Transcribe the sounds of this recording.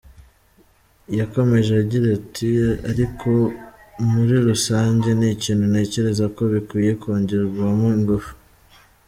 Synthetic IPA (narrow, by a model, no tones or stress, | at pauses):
jako̞me̞ʒeɟiɾatʰiaɾikʰo̞muɾiɾusaːɲɟe̞niciːnhune̞ːce̞ɾe̞zako̞βikwiːje̞koːɲɟiɾɡwamoiŋɡufu̥